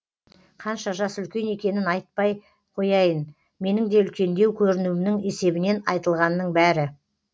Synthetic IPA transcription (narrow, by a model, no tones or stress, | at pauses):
qʰɑnʃɑʒɑsʏlkʲe̞ne̞kʲe̞nɪnɑjt̪̚pɑj | qʰo̞jɑjən | me̞nɪŋd̪e̞ʏlkʲe̞nd̪e̞wkʲʰɵɾɪnuɪmnɪŋe̞se̞bɪne̞nɑjt̪əlˠʁɑnːəɴbæɾɪ